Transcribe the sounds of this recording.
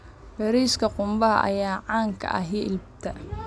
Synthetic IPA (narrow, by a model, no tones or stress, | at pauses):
bɛɾiskʰɐqʊmbɐɦɐ̰ʔɐ̰jaːʕɑːŋkʰɐ̰ʔɐ̰ɦiʔɪlb̚t̪ʰɐ